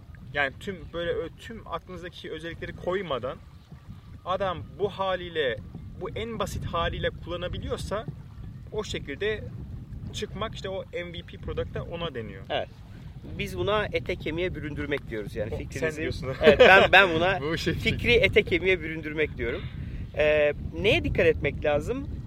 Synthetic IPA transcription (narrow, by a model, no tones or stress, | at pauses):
jaːnit̪ʰymbøjlʲɛøt̪ʰyma̰k̪lˠɯnɯzd̪acʰiʃjøzɛlʲːiclʲeɾikʰo̞jmad̪an | ad̪ambuhaːlʲiːlʲɛbuʔænbasit̪haːlʲijlʲɛkʰulˠːanabilʲijo̞ɾsa | o̞ʃe̞cʰilʲd̪ɛ | t͡ʃʰɯkmaki̥ʃt̪ɛo̞ɛnvipʰiːpʰɾo̞d̪ak̚t̪ʰaʔo̞nad̪e̞nḭjoevɛ̰t̪ | bizbunaet̪ʰɛcʰemijɛbyɾynd̪yɾmɛc̚d̪ijo̞ɾuzjaːnificɾɾiievɛtænbænbunaʃficɾiet̪ʰɛcʰe̞mijɛbyɾynd̪yɾmɛc̚d̪ijo̞ɾumɛːnejɛd̪ikʰːat̪ɛt̪mɛclʲaːzɯm